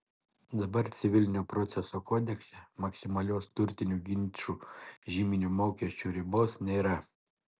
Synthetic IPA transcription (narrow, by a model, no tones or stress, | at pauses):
d̪ɐbɐɾt̪sʲɪʋʲɪlʲnʲuːpɾɔt̪sʲɛsoːkoːd̪ʲɛksʲɛmɐksʲɪmɐlʲoːst̪ʊɾʲt̪ʲɪnʲuːɡʲɪnʲt͡ʃʲuːʒʲiːmʲɪnʲuːmoːkʲiɛsʲt͡ʃʲuːɾʲɪboːsnʲeːɾɐ